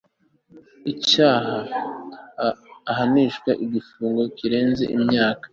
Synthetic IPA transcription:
icaːɦa | ɦaniʃkwaʔiɡifuːŋɡo̞kiɾe̞ːnze̞̰ʔimɲaːkḁ

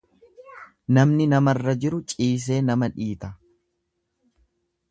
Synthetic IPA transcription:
nɐmnɪnɐmɐrːɐd͡ʒɪɾʊt͡ʃʼiːs̬e̞ːnɐmɐᶑiːt̪ɐ

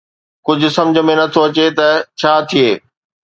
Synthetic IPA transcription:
kʊd͡ʑʱʊ̆sɐ̃md͡ʑʱə̆mẽnɐt̪ʰoɐt͡ɕet̪ɐt͡ɕʰaːt̪ʰieː

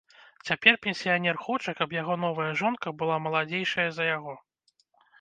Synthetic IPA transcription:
t͡sʲapʲɛrpʲɛnʲsʲijanʲɛrxɔt͡ʂɐkɐpjaɣɔn̪ɔvɐjɐʐɔnkɐbɨlˠamɐlˠad͡zʲejʂɐjɐzɐjaɣɔ

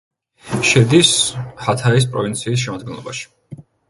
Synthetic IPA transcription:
ʃɛd̪ishat̪ʰais̬pʼɾɔvint̪sʰiːs̬ʃɛmad̪ɡɛnlˠɔ̰ba̰ʃi̥

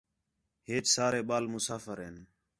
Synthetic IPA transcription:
ɦeːt͡ʃsaːɾeːɓaːlmʊsaːfəɾɦeːn

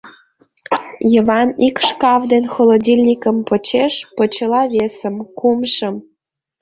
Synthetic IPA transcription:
jəβɑnikʃkɑvd̪enxolˠodʲilʲnʲikəmpot͡ɕeʃpot͡ɕəlɑβʲesəmkumʃə̆m

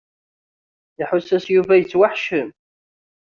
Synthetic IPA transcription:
iħʊsːæsjuvæjət͡sːwaħʃəm

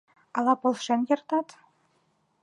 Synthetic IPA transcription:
ɑlˠɑpɤ̆lˠʂĕnʲjɤ̆rt̪ɑt̪

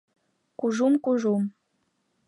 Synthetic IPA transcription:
kuʒumkuʒum

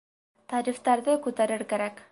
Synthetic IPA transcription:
t̪ɑɾift̪ɑɾðɘkʉt̪æɾɘɾkæɾæk

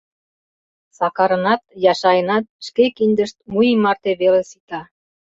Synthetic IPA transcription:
sɑkɑɾə̆nɑt̪̚jɑʃɑjənɑt̪̚ʃkekinʲd̪əʃt̪̚mujimɑrt̪eβelesit̪ɑ

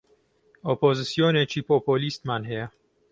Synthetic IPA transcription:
opozisijonet͡ʃʰipopolist̪manɦe

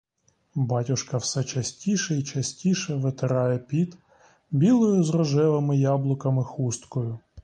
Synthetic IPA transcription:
bɑtʲʊʃkɐwsɛt͡ʃɐsʲtʲiʃɛit͡ʃɐsʲtʲiʃɛʋet̪ɪɾɑjɛpʲid̪ | bʲilˠɔjʊzrɔʒɛʋɪmɪjɑblˠʊkɐmɪxust̪kɔjʊ

